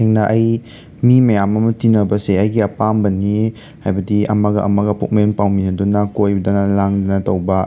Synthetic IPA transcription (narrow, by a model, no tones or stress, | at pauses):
eŋnɐʔɐj | mimɐjamɐmɐtinɐbɐseɐjɡiɐpambɐnːi | hajbɐdiɐ̰maɡɐʔɐ̰maɡɐpuk̚menpawminɐdunakojbdanalaŋdɔnɐtɐwbɐ